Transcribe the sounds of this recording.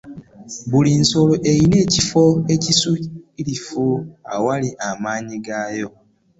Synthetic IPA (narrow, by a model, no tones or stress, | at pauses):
buliːnso̞loʔe̞jine̞ːcifo̞ecisuilifua̰waliʔamaːɲiɡaːjo̞